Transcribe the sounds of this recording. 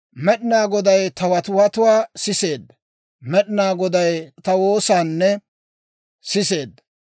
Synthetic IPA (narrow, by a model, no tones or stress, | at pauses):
mɛɗɪnaːɡɔd̪ɐjt̪ɐwɐt̪ʊwɐt̪ʊwaːsɪse̞ːd̪ː | mɛɗɪnaːɡɔd̪ɐjt̪ɐwo̞ːsaːnːɛ | sɪse̞ːd̪ːɐ